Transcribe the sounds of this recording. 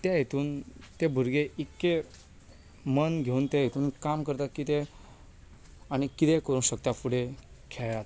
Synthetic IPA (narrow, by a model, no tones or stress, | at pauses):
t̪jajet̪uːnt̪ebʱuɾɡeʔikːe | mənɡʱeuːnt̪ajet̪uːnkamkəɾt̪at̪̚kit̪e | aɽ̃ikit̪ekəɾũːnɕək̚t̪afuɽekʰɛjat̪